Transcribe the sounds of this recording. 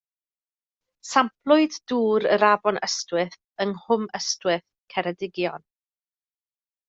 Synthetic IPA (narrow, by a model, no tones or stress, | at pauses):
sampʰlˠʊɨdduːɾəɾabɔnəstwɪθ | ənhʊməstwɪθ | kʰɛɾədɪɡjɔn